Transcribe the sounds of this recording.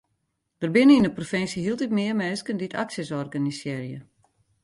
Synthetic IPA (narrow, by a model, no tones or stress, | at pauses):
d̥ərbɪnəindəprofɛnsjəɦilˠtitmɪːərmɛːskənditʰaksjəsɔrɡanisjɛrjə